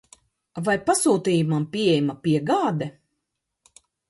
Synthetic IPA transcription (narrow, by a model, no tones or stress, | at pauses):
vajpasuːt̪iːjumampʲiɛjmapʲiɛɡaːd̪ɛ